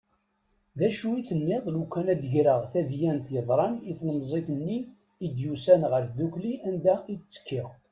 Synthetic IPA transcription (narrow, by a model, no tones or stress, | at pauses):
ðæʃuiθənːɪðˤlukːænæd̪ʝɾəʁθæðjænt̪jəðˤɾˤɑniθləmzˤeθənːiː | d̪jusænʁəɾθðukliʔænd̪æit͡sːə̥kːɪʁ